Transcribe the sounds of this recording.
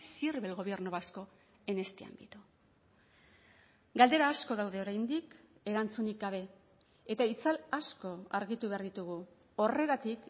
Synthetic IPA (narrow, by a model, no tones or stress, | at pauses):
siɾβelɣo̞βe̞rnuβasko̞ | e̞ne̞st̪ia̰nd̪it̪u | ɡald̪e̞ɾaːsko̞ðawðe̞o̞ɾajnd̪ik | e̞ɾant͡sunik̚ɡaβ̞e̞ | et̪ait͡salasko̞aɾɣit̪uβeaɾðit̪uɣu | o̞re̞ɣat̪ik